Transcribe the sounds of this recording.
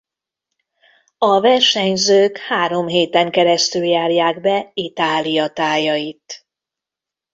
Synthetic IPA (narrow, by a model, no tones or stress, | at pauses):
ɒvɛrʃɛɲzøːkhaːɾo̞mɦeːt̪ɛŋkɛɾɛst̪yljaːrjaːɡbɛit̪aːlijɒt̪aːjɒit̪